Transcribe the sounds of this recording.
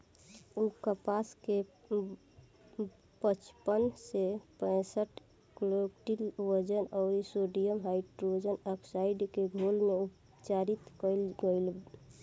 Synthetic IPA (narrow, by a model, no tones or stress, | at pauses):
ukəpaske | pət͡ʃpənsepə̃ɪsəʈ | klokʈilwəd͡ʒənɔːɾisoɖijəmɦaɪʈɾod͡ʒənəkʰsaiɖkeɡʱolmeup | t͡ʃaɾit̪kəlɡəɪl